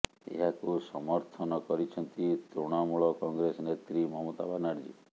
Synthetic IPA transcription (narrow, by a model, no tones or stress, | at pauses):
ḛɦakusɔmɔɾt̪ʰɔnɔkɔɾit͡ʃʰɔnt̪it̪ɾoɽ̃amuɭɔkɔŋɡɾesɔnet̪ɾimɔɦɔmɔt̪abanaɾd͡ʒḭ